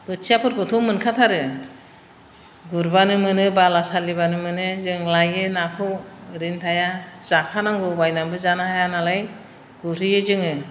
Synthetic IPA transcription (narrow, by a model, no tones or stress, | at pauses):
b̥ɯtsijapʰɯɾkʰɔtʰuŋmːɯnkʰat̪ʰaɾɯ | ɡuɾbanɯmɯnɯbalasaliβanɯmɯnɯzɯŋlajɯnakʰɯɾintʰajaz̥akʰanaŋɡɔbajnambɯzanahajanalaj | ɡ̥uɾɯjɯzɯŋɯ